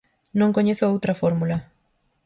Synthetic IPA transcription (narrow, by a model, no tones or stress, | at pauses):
nõŋkoɲeθoowt̪ɾɐfoɾmulɐ